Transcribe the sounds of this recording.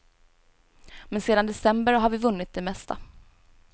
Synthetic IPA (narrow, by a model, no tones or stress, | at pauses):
mɛnseːd̪and̪ɛsɛmbəɾɦaɾvɪvɵnːɪt̪̚d̪ɛmɛst̪ʰa̰